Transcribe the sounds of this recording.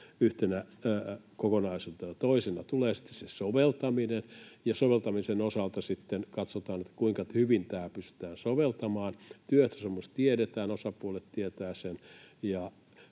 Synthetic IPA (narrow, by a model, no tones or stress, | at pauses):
yht̪enæ | kokonɑisult̪ɑnɑt̪oisenɑt̪uleːsi̥t̪ːe̥ssesoʋelt̪ɑminenjɑsoʋelt̪ɑmisenosɑlt̪ɑsit̪ːenkɑt̪sot̪ɑːnet̪ːæ̥kuiŋkɑhyʋint̪æːpyst̪y̥t̪æːnsoʋelt̪ɑmɑːnt̪yøt̪æsemːost̪t̪ieɾet̪æːnosɑpuolet̪tiet̪æːsenjɑ